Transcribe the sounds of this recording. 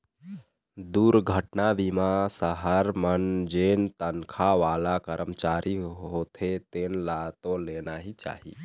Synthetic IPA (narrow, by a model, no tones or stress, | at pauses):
d̪uɾɡʱəʈnabimasəɦəɾmənd͡ʒent̪ənkʰaʋalakəɾʔəmt͡ʃaɾʔiɦot̪ʰet̪enlat̪olenaɦit͡ʃa̰ɦḭ